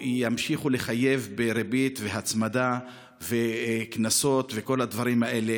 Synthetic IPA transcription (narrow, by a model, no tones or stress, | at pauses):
ijamʃiχuleχaje̞vbeɾebit̪ve̞ɦat͡smad̪a | ve̞knaso̞t̪ve̞ko̞lhad̪vaɾimaʔe̞le̞